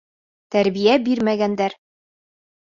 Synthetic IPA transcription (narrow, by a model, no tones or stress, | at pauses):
t̪æɾbijæbiɾmæɡænd̪æɾ